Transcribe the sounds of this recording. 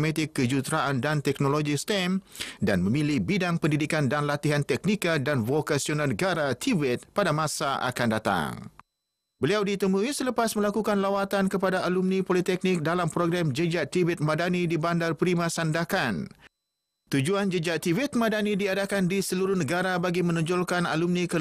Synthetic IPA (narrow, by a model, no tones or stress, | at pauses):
mɛ̃t̪ɪkːəd͡ʒut̪ɾaʔandant̪ɛknoloɡist̪ɛmdanmə̃mĩlihbidaŋpəndidikandanlat̪iɦant̪ɛk̚nikadanvokasionalnəɡaɾat̪ʰivɛt̪̚padamãsaʔa̰kandat̪a̰ŋ | bəliawdit̪əmũisələpasmə̃lakukanlawat̪ankəpadaalumnĩpolit̪ɛk̚nik̚dalampɾoɡɾamd͡ʒəd͡ʒaʔt̪ivɛt̪̚mãdanidibandarpəɾimãsandakan | t̪ud͡ʒuand͡ʒəd͡ʒat̪ivɛt̪̚mãdanidiadakandisəluɾʊhnəɡaɾabaɡimə̃nɔ̃ɲd͡ʒɔlkanalumnikə